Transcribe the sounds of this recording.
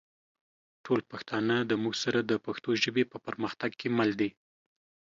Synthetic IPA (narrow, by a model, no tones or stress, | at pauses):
ʈʰolpaxt̪ɑnələmuɡsaɾad̪əpaxt̪oʒəbepəpəɾməxt̪aɡkʰemald̪i